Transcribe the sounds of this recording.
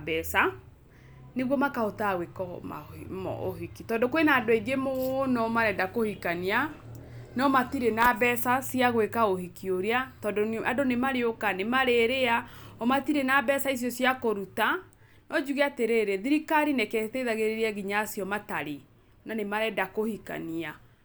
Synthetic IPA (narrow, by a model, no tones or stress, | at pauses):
bɛsa | neɣwɔmakaotaɣwekɔma̰mɔ̰o̰hikitɔːndokwenaːdoeɡemoɣnɔmaɾɛdakohikania | nɔmatiɾenabɛsasiaɣwekaohikioɾeatɔdoadonemaɾeokanemaɾeɾeaɔmatiɾenabɛsais̬jɔsjakoɾuta | nɔd͡ʒuɣeateɾeːɾeðiɾikaɾinɛkɛtɛiðaɣeɾeɾeaɣiɲaːsjɔmataɾe | nanemaɾɛdakohika̰nia